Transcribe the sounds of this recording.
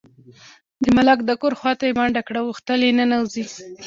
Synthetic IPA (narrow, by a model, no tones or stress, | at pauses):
d̪əmalakd̪akoɾxwɑt̪ajebaɳɖakɽawuxt̪əlenanawzi